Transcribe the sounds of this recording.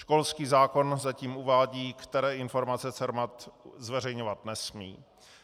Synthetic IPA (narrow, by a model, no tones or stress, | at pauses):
ʃko̞lskiːzaːko̞nzaciːmʔuvaːɟiːkt̪ɛɾɛːɪnfo̞ɾmat͡sɛt͡sɛɾmat̪zvɛrɛjɲovat̪nɛsmiː